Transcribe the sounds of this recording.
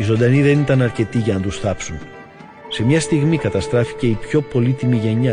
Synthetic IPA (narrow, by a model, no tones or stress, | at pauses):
izo̞nd̪ɐniðe̞nit̪ɐnɐɾce̞t̪iʝɐnɐt̪usθɐpsun | se̞mɲɐst̪iɣmikɐt̪ɐst̪ɾɐfi̥ce̞ipço̞po̞lit̪imiʝe̞ɲɐ